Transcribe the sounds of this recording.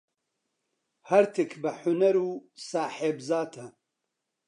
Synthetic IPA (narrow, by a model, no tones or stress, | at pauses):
hɐɾt̪ʰɨkʰbɨħʊnɐɾuːsaːħebzaːt̪ʰɐ